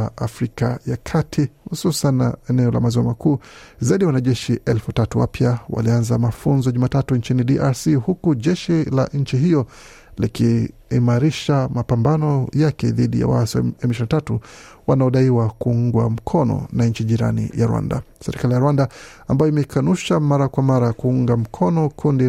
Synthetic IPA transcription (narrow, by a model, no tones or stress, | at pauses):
afɾikajakʰatʰihususanːa̰ɛnɛɔla̰maziamakʰuːzaiɗiwanaʄɛʃiʔɛlfutatuwa̰pjawa̰lianzamafunzɔʄumaːtatuɲt͡ʃiniɗiʔaɾsihukuʄɛʃilaʔɲ̩t͡ʃiɦijɔ | likiː | maɾiʃamapambanɔjakɛ̰ðiɗḭja̰wa̰sia̰ɛmiʃinatatuwanaɔɗaiwakuuŋɡwa̰m̩kʰɔnɔ̰naɲt͡ʃiʄiɾa̰nḭja̰ɾuwa̰nda̰sɛɾikalijaɾwanda | ambajɔimɛikanuʃamaɾakwamaɾakuuŋɡam̩kʰɔnɔkʰundi